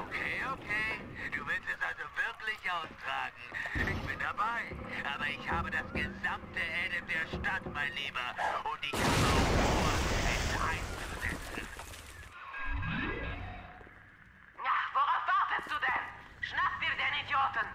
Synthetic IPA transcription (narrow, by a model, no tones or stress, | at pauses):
ʔokʰeːokʰeːd̥uːvɪlstɛsʔalzovɪɐklɪçʔaʊstʁ̥aːɡŋ̩ʔɪçb̥ɪndabaɪʔaːbɐɪçhaːbədasɡ̥əzamtəʔɛdədeːɐʃtatmaɪnliːbɐʔʊntɪçkʰananooːɐʔɛssʔa̰ɪnst͡suzɛ̰t͡sn̩ | jav̥oʁaʊfv̥aɐtəst̚d̥uːdɛn | ʃnap̚b̥iːɐdeːnidjoːtən̩